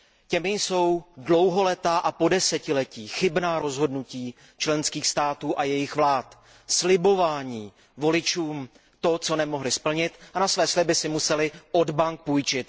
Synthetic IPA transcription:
cɛmɪso̞wdlo̞wɦo̞lɛt̪aʔapo̞dɛsɛcɪlɛciːxɪbnaːɾo̞zɦo̞dnuciː | t͡ʃlɛnskiːxst̪aːt̪uːʔajɛjɪxvlaːt̪ | slɪbo̞vaːɲiː | vo̞lɪt͡ʃuːm | t̪o̞t͡so̞nɛmo̞ɦlɪspl̩ɲɪt̪anasvɛːslɪbɪsɪmusɛlɪʔo̞dbaŋk̚pujt͡ʃɪt̪

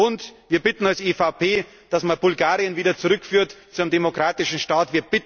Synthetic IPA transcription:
ʔʊntviːɐbɪtn̩alseːfaʊpʰeː | d̥asmabʊlɡaːʁiənviːdɐt͡suʁʏkfyːɐtt͡suɪmdemokʁ̥aːtɪʃn̩ʃtaːtviːɐb̥ɪt

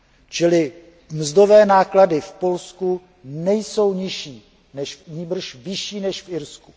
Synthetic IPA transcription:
t͡ʃɪlɪ | mzdo̞vɛːnaːkladɪfpo̞lsku | nɛjso̞wɲɪʃiː | nɛʃɲiːbr̩ʃvɪʃiːnɛʃfʔɪɾsku̥

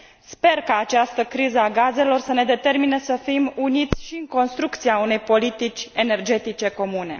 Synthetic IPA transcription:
spe̞rkaːt͡ʃast̪əkɾizəaɡaze̞lo̞rsəne̞d̪e̞t̪e̞rminesəfimunit̪sʲʃiɨŋko̞nst̪ɾuk̚t̪siaune̞jpo̞lit̪it͡ʃʲe̞ne̞rd͡ʒe̞t̪it͡ʃe̞ko̞mune̞̰

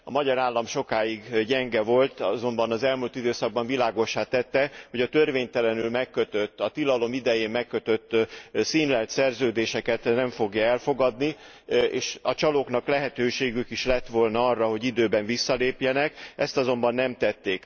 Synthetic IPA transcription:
ɒ̰mɒɟɒɾaːlːɒmʃo̞kaːjiɡɟɛŋɡɛvo̞lt̪zo̞mbɒnɒzɛlmuːlt̪id̪øːsɒɡ̚bɒɱvilaːɡo̞ʃːaːt̪ɛt̪ːɛho̞ɟɒt̪ørveːɲt̪ɛlɛnylmɛkːøt̪øt̪ːɒt̪ilɒlo̞mid̪ɛjeːmmːɛkːøt̪øt̪ːsiːnlɛlt̪sɛrzøːd̪eːʃɛkɛt̪nɛɱfo̞ɡjɒɛlfo̞ɡɒd̪ni | ḛːʃɒt͡ʃɒlokn̪ɒklɛɦɛt̪øːʃeːɡykiʃlɛt̪ʋolnɒɒrːɒɦo̞ɟid̪øːbɛɱvisːɒleːpjɛnɛkɛ̰st̪ɒzo̞mbɒnːɛmt̪ɛt̪ːeːk

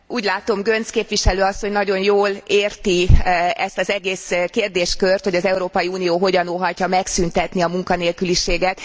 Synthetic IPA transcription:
uːɟlaːt̪o̞mɡø̞nskeːpʋiʃɛløːɒsːo̞ɲnɒɟo̞njoːleːrt̪iɛst̪ɒzɛɡeːskeːrd̪eːʃkørt̪ho̞ɟɒzɛuɾoːpɒjiuːnijoːɦo̞ɟɒnolɦɒcːɒmɛksynt̪ɛt̪niɒmuŋkɒneːlkyliʃeːɡɛt̪

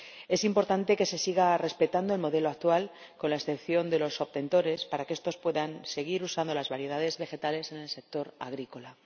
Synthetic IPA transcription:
e̞simpo̞ɾt̪ant̪e̞ke̞se̞siɣ̞are̞spe̞t̪and̪o̞e̞lmo̞ðe̞loak̚t̪wal | ko̞nlae̞sθe̞pθjo̞nd̪e̞lo̞so̞β̚t̪e̞nt̪o̞ɾe̞spaɾakeest̪o̞spwe̞ðanse̞ɣ̞iɾusand̪o̞lazβaɾje̞ð̞að̞e̞zβe̞xe̞t̪ale̞se̞ne̞lse̞k̚t̪o̞ɾa̰ɣ̞ɾiko̞la

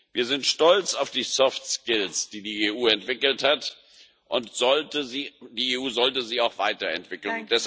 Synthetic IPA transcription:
viːɐzɪntʃtɔlt͡saʊfd̥iːsɔftskɪlsd̥iːdiːeːuːɛntv̥ɪkl̩that | ʔʊntz̥ɔltəzidiːeːuːzɔltəziːaʊxv̥aɪtɐɛ̰ntv̥ɪkl̩nʊnd̥ɛs

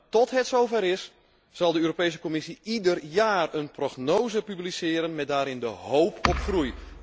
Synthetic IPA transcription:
tɔtɦɛtsowfɛɾɪs | sɑlˠdəøːɾopejs̬ə̥kɔmɪsiidərjaːrənproɣnoːzəpyblisɪːəɾənmɛt̚daːɾɪndəhowpʰɔpxruj

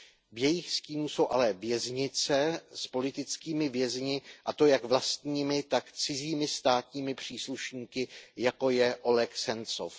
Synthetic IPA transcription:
vjɛjɪxsciːnuso̞wʔalɛvjɛzɲɪt͡sɛspo̞lɪt̪ɪt͡skiːmɪvjɛzɲɪʔat̪o̞jakvlast̪ɲiːmɪt̪akt͡sɪziːmɪst̪aːt̪ɲiːmɪpr̝̥iːsluʃɲiːkɪjako̞jɛʔo̞lɛxsɛnt͡so̞̰f

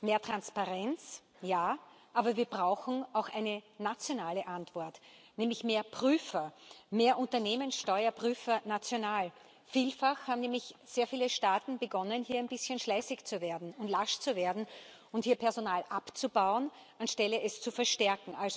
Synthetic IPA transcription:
meːɐtʁ̥anspaʁɛnt͡s | jaːʔaːbɐviːɐbʁaʊxn̩aʊxʔæɪnənat͡sjonaːləʔantv̥ɔɐtnɛːmlɪçmeːɐpʁ̥yːfɐmeːɐʔʊ̃ntɐneːmənsʃtɔʏɐpʁ̥yːfɐnat͡sjonaːl | fiːlfaxhaːbm̩nɛːmlɪçz̥eːɐfiːləʃtaːtn̩bəɡɔnənhiːɐæɪnb̥ɪsçənʃlɛɪsɪçt͡suveːɐdn̩ʊntlaʃt͡suveːɐdn̩ | ʊnthiːɐpʰɛɐzonaːlʔapt͡subaʊən | ʔanʃtɛləʔɛst͡sufɛɐʃtɛɐkŋ̩ʔalzo

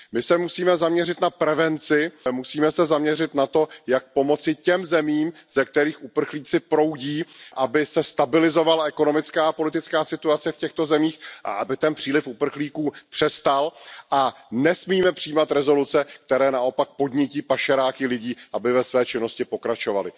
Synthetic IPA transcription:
mɪsɛmusiːmɛzamɲɛrɪt̪napɾɛvɛnt͡sɪmusiːmɛsɛzamɲɛrɪt̪nat̪o̞jak̚po̞mo̞t͡sɪcɛmzɛmiːmz̥ɛk̚t̪ɛɾiːxʔupr̩xliːt͡sɪpɾo̞wɟiːʔabɪsɛst̪abɪlɪzo̞valaɛko̞no̞mɪt͡skaːpo̞lɪt̪ɪt͡skaːsɪt̪uat͡sɛfcɛxt̪o̞zɛmiːxʔa̰ʔabɪt̪ɛnpr̥iːlɪfupr̩xliːkuːpr̝̥ɛst̪alʔa | nɛsmiːmɛpr̥iːmat̪ɾɛzo̞lut͡sɛkt̪ɛɾɛːnaʔo̞pak̚po̞d̪ɲɪciːpaʃɛɾaːkɪlɪɟiːʔabɪvɛsvɛːt͡ʃɪno̞scɪpo̞kɾat͡ʃo̞va̰lɪ

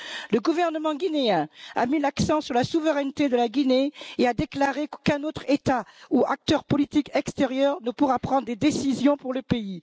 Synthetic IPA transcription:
ləɡuvɛʁnəmɑ̃ɡʲineɛ̃a̰milaksɑ̃syʁlasuvəʁɛnt̪ed̪əlaɡʲineead̪eklaʁekkɛ̃not̪χet̪auak̚t̪œʁpɔlit̪ikɛkst̪eʁjœʁnəpuʁapχɑ̃d̪ʁd̪ed̪esizjɔ̃puʁləpei

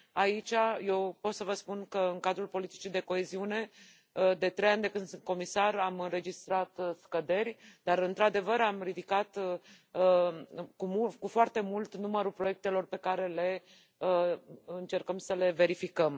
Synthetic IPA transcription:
ait͡ʃaje̞wpo̞t̪səvəspunkəɨŋkad̪ɾulpo̞lit̪i̥t͡ʃid̪e̞ko̞eziune̞ | d̪e̞t̪ɾe̞janʲd̪e̞kɨnd̪sɨnt̪̚ko̞misaɾamɨnre̞d͡ʒist̪ɾat̪skəd̪e̞rʲd̪̥aɾɨnt̪ɾad̪e̞vəɾamrid̪ikat̪ | kumukufoart̪e̞mult̪numəɾupɾo̞je̞k̚t̪e̞lo̞rpe̞kaɾe̞le̞ | ɨnt͡ʃe̞rkəmsəle̞ve̞ɾifikəm

